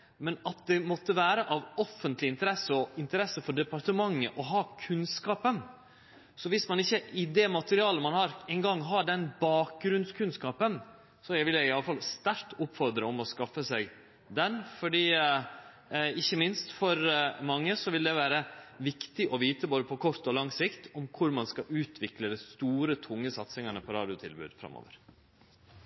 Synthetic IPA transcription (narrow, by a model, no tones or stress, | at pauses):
mɛnɑt̪̚d̪ɛmɔt̪ːəʋæːɾəʔɑʋɔfːənt̪lɪɪnt̪əɾɛsːəɔɪnt̪əɾɛsːəfɔɖɛpɑɾʈ̪əmɑŋːəʔɔɦɑːkʰʉnskɑːpən | sɔʋɪsmɑnɪçːəɪd̪ɛmɑt̪əɾɪɑːləmɑnhɑɾɛnɡɑŋːɦɑɖɛnbɑːk̚ɡɾʉnskʰʉnskɑːpən | sɔjæʋɪljæɡɪɑləfɑlst̪æɾkt̪ʊpːfɔɾd̪ɾəɔmɔskɑfːəsɛɡ | d̪ɛnfɔɖiː | ɪçːəmɪnst̪fɔɾmɑŋːəsɔʋɪld̪ɛʋæːɾəʋɪkt̪ɪʔɔʋiːt̪əboːd̪əpʰɔkʰɔɾt̪ɔlɑŋsɪkt̪ʰɔmkʰʊɾmɑnskɑʔʉːt̪ʰʋɪkləd̪æst̪uːɾət̪ʰʊŋːəsɑt̪sɪŋɑnəpʰɔɾɑ̰ːd̪ɪʊt̪ʰɪ̰lbʉ̰ːd̪̥fɾɑ̰mːo̰ːʋəɾ